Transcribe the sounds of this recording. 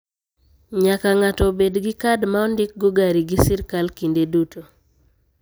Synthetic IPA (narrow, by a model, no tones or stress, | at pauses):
ɲakaŋatɔbedɡɪkadmaɔndɪk̚ɡɔɡaɾiɡisɪɾkalkindeduto